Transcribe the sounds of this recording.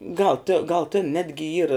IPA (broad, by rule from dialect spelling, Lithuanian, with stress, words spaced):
ɡɐlˠ tʲɪ ɡɐlˠ tʲɪn ˈnʲæːdʲɡʲɪ ˈiːrɐ